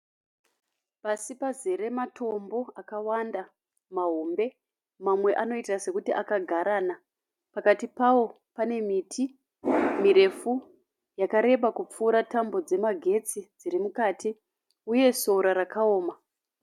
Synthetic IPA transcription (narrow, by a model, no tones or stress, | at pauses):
pasipazeɾe̞matʰo̞mbo̞akawanda | maɦombe̞ | mamwe̞ʔano̞itase̞kutiʔakaɡʱaɾaːna | pakatipawo̞ | pane̞mitʰi | miɾe̞fu | jakaɾe̞ɓakup͡fuːɾatambo̞d͡ze̞maɡʱe̞t͡sid͡ziɾimukaːtʰi | uje̞so̞uɾaɾakao̞ːma